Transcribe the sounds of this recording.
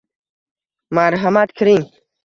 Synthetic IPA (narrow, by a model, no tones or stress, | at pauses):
maːɾɦɐmaːt̪kʰɾĩ